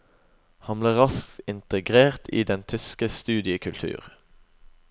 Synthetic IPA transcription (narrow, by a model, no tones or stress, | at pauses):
hɑnbliːʁɑsktɪnt̪əɡʁeːʁt̪ʰḭːd̪ɛnt̪ʰʏskəst̪ʉːd̪ɪəkʰʉlt̪ʰʉ̰ːʁ